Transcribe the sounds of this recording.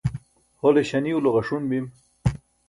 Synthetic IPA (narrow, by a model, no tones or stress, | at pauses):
holeɕaniuloɣaʂunbim